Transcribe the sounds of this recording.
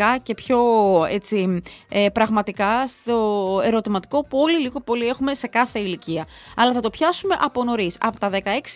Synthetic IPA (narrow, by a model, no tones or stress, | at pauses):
ɐce̞pço̞et͡siepɾɐɣmɐt̪ikɐst̪o̞e̞ɾo̞t̪imɐt̪i̥ko̞puo̞liliɣo̞po̞lie̞xume̞se̞kɐθe̞iliciɐɐlɐθɐt̪o̞pçɐsume̞ʔɐpo̞no̞ɾisɐ̰pot̪ɐðekɐe̞ksi̥